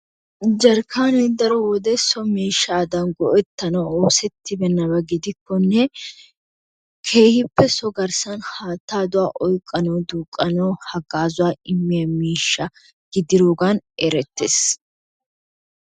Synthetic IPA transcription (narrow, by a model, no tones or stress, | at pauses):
d͡ʒɐɾkʰaːnɛd̪ɐɾɔwɔd̪ɛsɔmiːʃːaːd̪ɐnɡɔʔɛt̪ːɐnɔoːsɛt̪ʰːɪbɛnːɐbɐɡɪd̪ɪkːɔnːɛ | kʰe̞ːhɪpːɛsɔɡɐɾsɐnhaːt̪ːaːd̪ʊwaːʔɔjkʼːɐnoːd̪uːkʼːɐnoːhɐɡaːzʊwaːɪmːɪjɐmiːʃːɐ | ɡ̥ɪd̪ɪɾoːɡaneɾɛt̪ːeːs